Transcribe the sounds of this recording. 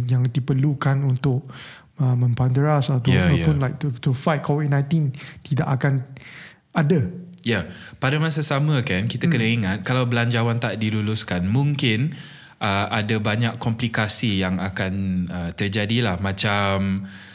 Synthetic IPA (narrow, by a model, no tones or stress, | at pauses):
jaŋdipərlukanunt̪ʊk̚ | əmə̃mpandəɹasat̪aajpʊnlajk̚t̪ut̪ufajt̚kʰovit̚nãj̃nt̪int̪ida̰ʔakan | ada | japadamas̬asamə̃kankit̪akədaŋiŋat̪̚kalawbəlaɲd͡ʒawant̪aʔdiluluskanmũŋkɪn | ʔəadabaɲakːɔmplikasijaŋakanət̪ərd͡ʒadilahmãt͡ʃam